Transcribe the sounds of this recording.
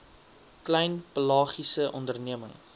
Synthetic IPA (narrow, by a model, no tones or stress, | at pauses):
klɛjnpəlɑːχisəʔɔndərniəməŋ